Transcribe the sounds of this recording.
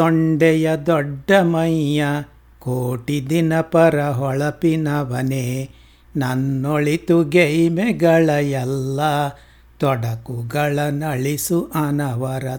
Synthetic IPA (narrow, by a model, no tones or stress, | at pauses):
ɔɳɖɛjɐd̪ɔɖːɐmɐjːɐ | koːʈid̪inɐpɐɾɐɦɔɭɐpinɐʋɐneː | nɐnːoɭit̪uɡejmɛɡɐɭɐjɛlːɐ | t̪ɔɽɐkuɡɐɭɐnɐɭisuʔɐnɐʋɐɾɐ